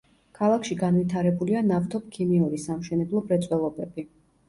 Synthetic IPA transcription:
kʰalˠakʰʃiɡanvit̪ʰaɾɛbulianaft̪ʰɔp̚kʰimiuɾisamʃɛnɛblˠɔbɾɛt̪sʼwɛlˠɔbɛbi

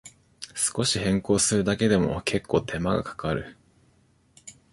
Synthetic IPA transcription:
sɨ̥ko̞ɕihẽ̞ŋko̞ːsɨɾɯ̟d̪ake̞d̪e̞mo̞̰kʰe̞kːo̞ːt̪ʰe̞maɡa̰kʰḁkaɾɯ̟

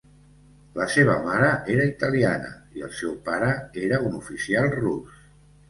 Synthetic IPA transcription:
ləseβ̞ə̰maɾəʔeɾəit̪əlianə̰iəlˠsɛwpaɾəeɾəunufisialˠrus

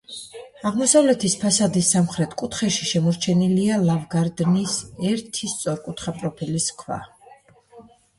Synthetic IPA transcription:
aʁmɔsavlɛt̪ʰispʰasad̪isːamχɾɛt̪ʰkʼut̪χɛʃiʃɛmɔɾt͡ʃʰɛnilialavɡaɾd̪nisɛɾt̪ʰist̪sʼɔɾkʼut̪ʰχapʼɾɔpʰɛliskʰwa̰

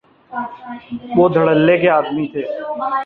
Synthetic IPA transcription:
ʋoːd̪ʱəɽəlːekeaːd̪mit̪ʰeː

